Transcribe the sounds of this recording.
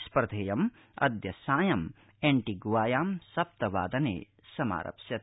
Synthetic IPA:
spɾɐd̪ʱeːjɐm | ɐ̰d̪jɐsaːjɐm | eɳʈiɡʋaːjaːmsɐp̚t̪ɐʋa̰ːd̪ɐnḛː | sɐma̰ːɾɐ̰psjɐt̪

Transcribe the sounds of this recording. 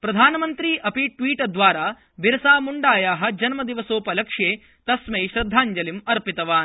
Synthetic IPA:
pɾɐd̪ʱaːnɐmɐnt̪ɾiːʔɐpiʈʋiːʈɐd̪ʋaːɾaː | ʋiɾɐsaːmuɳɖaːjaːɦɐ̆d͡ʒɐnmɐd̪iʋɐsoːpɐlɐkʂjeː | t̪ɐsmɐjʃɾɐd̪ʱːaːɲd͡ʒɐlimɐɾpit̪ɐʋaːn

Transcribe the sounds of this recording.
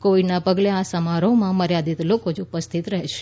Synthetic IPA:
koʋiɖnapəɡleasəmaɾomãməɾjad̪it̪lokod͡ʒupəst̪ʰit̪ɾəɦeʃʰe̥

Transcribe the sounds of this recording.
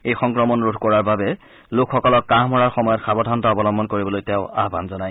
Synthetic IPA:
ejxɔŋkɹɔmɔnɹudʱkɔɹaɹbabɛ | lokʰxːɔkɔlɔkːaɦmɔɹaɹxɔmɔjɔtxʰabɔdʱantaɔbɔlɔmbʱɔnkoɹibɔlojtɛʊa̰ɦba̰nzɔnaj

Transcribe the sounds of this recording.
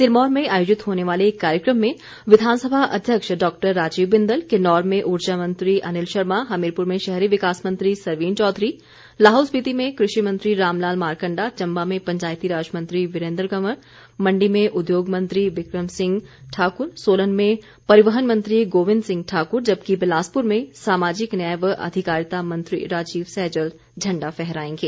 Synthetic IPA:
t̪ɪlmɔːɾmẽaːjoːd͡ʒɪt̪ɦoːneʋaːleːkːaːɾjəkɾəmːẽ | ʋɪd̪ʱaːnsəbʱaʔɐd̪ʱjəkʃɖɔːk̚ʈəɾːaːd͡ʒiːʋbɪ̃nd̪əlkenɔːɾmẽʔʊɾt͡ʃamə̃nt̪ɾiʔɐnɪlʃɐɾmaɦɐmɪɾpʊɾmẽʃɛɦɾiʋɪkaːsmɐ̃nt̪ɾisɐɾʋiːnt͡ʃɔːd̪ʱɾi | laːɦoːsbit̪imẽkɾɪʃimɐ̃nt̪ɾiɾaːmlaːlmaːɾkə̃ɳɖat͡ʃɐ̃mbamẽpɐ̃ɲt͡ʃaːjt̪iɾaːd͡ʒəmə̃nt̪ɾiʋɪɾẽːnd̪ɾkɐməɾ | mɐ̃ɳɖimẽʔʊd̪joːɡmɐ̃nt̪ɾiʋɪkɾəmsɪ̃ŋɡʈʰaːkʊɾsoːlənmẽ | pɐɾɪʋəɦənmɐ̃nt̪ɾiɡoːʋɪ̃ndsɪ̃ŋɡ̚ʈʰaːkʊɾd͡ʒɐbkibɪlaːspʊɾmẽsaːmaːd͡ʒɪknɛjəʋɐ̰d̪ʱɪkaːɾjt̪amɐ̃nt̪ɾḭɾaːd͡ʒiːʋsɛːd͡ʒəl | d͡ʒʱɐ̃ɳɖafɛɦɾaːẽːɡeː

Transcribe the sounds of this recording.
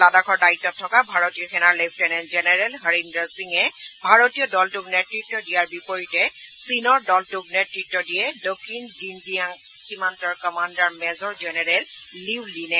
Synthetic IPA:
ladakʰɔɹdaitːɔtʰːɔkabʱaɹotijɔkʰɛnaɹlep̚ʰtɛnɛnzɛnɛɹɛlɦəɹimdaɹsiŋɛbʱaɹotijɔdɔltʊknɛtɹitːɔdijaɹbipoɹitɛ | sinɔɹdɔltʊk̚nɛtɹitːɔdijɛdokʰːinzinziaŋ | ximantɔɹkɔmandaɹmɛzɔɹzɛnɛɹɛlliwlinɛ

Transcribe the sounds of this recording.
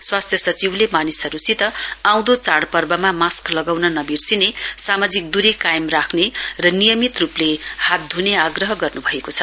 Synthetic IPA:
swast̪ʰjʌsʌt͡siwlemanisɦʌɾut͡sʰit̪ʌãw̃d̪ot͡saɽpʌrbʌmamasklʌɡawnʌnʌbirsinesamad͡zik̚d̪uɾikajmrakʰnerʌnijʌmit̪ruplehat̪̚d̪ʱuneaɡrʌɦʌɡʌrnubʱʌekot͡sʰʌ

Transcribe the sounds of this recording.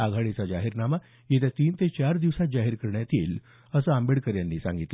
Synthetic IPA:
aɡʱaɭet͡sad͡ʑaɦiɾnama | jet̪at̪iːnt̪et͡ɕaɾd̪iʋsat̪̚d͡ʑaɦiɾkəɾɳjat̪iːl | əsəambeɽkəɾjanːiːsa̰ŋɡit̪

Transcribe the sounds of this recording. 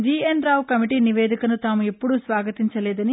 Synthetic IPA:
d͡ʒiːenɾaːwkɐmiʈiːniʋeːd̪ʱikɐnut̪aːmuepːuɽusʋaːɡɐt̪iɲt͡ʃɐlɛːd̪ɐni

